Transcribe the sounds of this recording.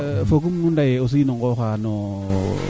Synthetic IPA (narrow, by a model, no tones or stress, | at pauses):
fok̬umnundajeos̬iinoŋɡoxano